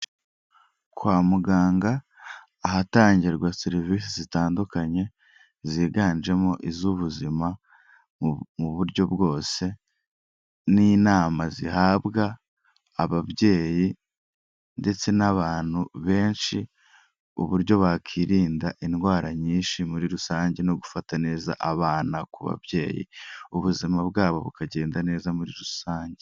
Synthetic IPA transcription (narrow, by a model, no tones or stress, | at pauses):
kwaːmuɡaːŋɡaː | ɦataːɲɟiɾɡwaseɾiviːsizitaːndukaɲe̞ | ziːɡaːnd͡ʒe̞mo̞ʔizuβuzima | muβuɾɟo̞bɡo̞ːse̞ | niːnaːmazihaːbɡaː | βaβje̞ːji | nde̞t͡se̞naβaːn̥huβe̞ːnʃi | ṵβuɾjɟo̞βakʰiːɾiːndaʔinwaːɾaɲiːnʃimuɾiɾusaːɲɟe̞no̞ɡufatane̞ːza̰ʔaβaːnakuβa̰βɟe̞ːjḭuβuzimabɡaːβo̞βukaɟe̞ːndane̞ːzamuɾiɾusaːɲɟe